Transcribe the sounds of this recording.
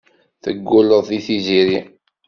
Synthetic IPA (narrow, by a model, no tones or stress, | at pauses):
θəɡːʊləðˤθiθiziɾi